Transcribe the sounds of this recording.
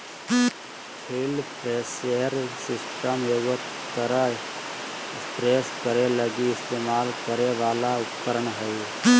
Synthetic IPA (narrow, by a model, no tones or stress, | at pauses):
pʰɪlpʰɾeːseəɾsɪsʈəmewət̪ | kəɾə | t̪ɾeːskəɾeləɡiɪst̪eːmaːlkəɾeʋaːlaʊpkəɾəɳɦəi